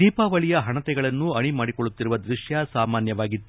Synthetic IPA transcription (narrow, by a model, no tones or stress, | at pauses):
iːpaːʋɐɭijɐɦɐɳɐt̪ɛɡɐɭɐnːuɐɳimaːɽikoɭːut̪ːiɾuʋɐd̪ɾiʂjɐsaːmaːnjɐʋaːɡit̪ːu